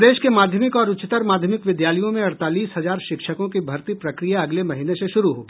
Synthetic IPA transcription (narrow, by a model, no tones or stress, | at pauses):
d̪eːʃkemaːd̪ʱjəmɪkɔːɾʊt͡ʃɪt̪əɾmaːd̪ʱjəmɪkʋɪd̪jaːləjõmẽɐɽt̪aːliːsɦɐzaːɾʃɪkʃəkõkibʱɐɾt̪ipɾɐkɾijaɐɡlemɐɦineseʃʊɾuɦo̰ː